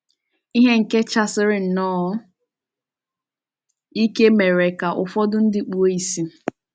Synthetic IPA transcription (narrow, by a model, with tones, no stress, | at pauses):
i˦ɦe˦ŋ̩˨ke˦t͡ʃa˦sɪ˦ɾɪ˦n̩˨nɔː˦ | i˦ke˦me˨ɾe˨ka˨ʔʊ˨fɔ˦dʊ˦n̩˦dɪ˦k͡pu˦o˦i˨si˦